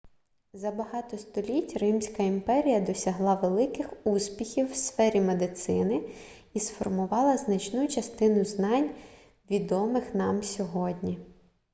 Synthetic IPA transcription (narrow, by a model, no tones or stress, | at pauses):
zɐbɐɦɑt̪ɔst̪ɔlʲitʲrɪmsʲkɐimpɛɾʲijɐd̪ɔsʲɐɦlˠɑʋelˠɪkɪxuspʲixʲiwsfɛɾʲimed̪ɪt̪sɪnɪ | isfɔrmʊʋɑlˠɐznɐt͡ʃnut͡ʃɐst̪ɪnʊznɑnʲ | ʋʲid̪ɔmɪxnɑmsʲɔɦɔdʲnʲi